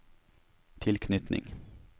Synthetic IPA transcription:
t̪ʰɪlkʰnʏt̪nʔɪ̰ŋ

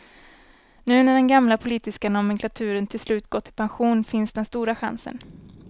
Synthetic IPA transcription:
nʉ̟ːnæɖɛnɡamlapʰʊliːt̪ɪskanɔmɛŋklat̪ʰʉ̟ːɾənt̪ʰɪlslʉ̟ːt̪ɡ̥ɔt̪ʰːɪlpʰanɧuːnfɪnsd̪ɛnst̪uːɾaɧa̰nsə̰n

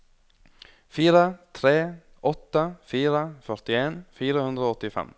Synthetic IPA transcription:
fiːɾət̪ʰɾeː | ʔɔt̪ːəfiːɾəfœɾt̪ɪeːnfiːɾəhʉnd̪ɾəoːɔt̪ːɪfɛ̰m

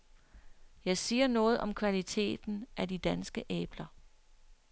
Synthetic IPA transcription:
jɑ̈ɪsiːɐnɔ̽ːð̞̩ˠʔɒ̽mkʰʋælit͡sʰe̝̰ːd̥n̩ʔædid̥ænsɡ̥əʔeːb̥lɐ

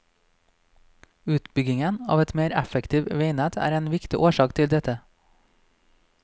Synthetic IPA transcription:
ʉːt̪bʏɡɪŋənɑ̰ːʋɛt̪meːɾæfəkt̪ʰiːʋʋeɪnæːt̪ʰæ̰ːɾeːnʋɪkt̪ɪʔoːʃɑːkt̪ʰɪld̪ɛt̪ə

